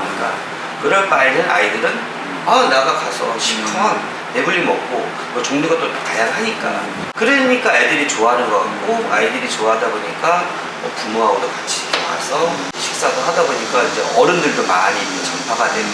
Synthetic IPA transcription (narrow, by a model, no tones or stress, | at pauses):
ik͈a̰ | kɯɾʌɭp͈ainɯna̰idɯɾɯn | anaɡakasʰʌ̰ɕʰik̚tʰoŋaŋ | ne̞buʎːimʌk̚k͈o | mʌt͡ɕoŋɲuɡat͈otatajaŋɦaɲik͈a̰ | kɯɾeɲik͈aaidɯɾit͡ɕoaɦanɯnɡʌkak̚k͈oa̰idɯɾit͡ɕoaɦadaboɲik͈a | ʌpumoɦaɡodokat͡ɕʰi̥i̥k͈ʰema̰sʰʌ | ɕʰi̥k̚s͈adoɦadaboɲik͈aid͡ʑe̞̰ʌɾɯndɯɭdoma̰ɾi | t͡ɕʌmpʰaɡaden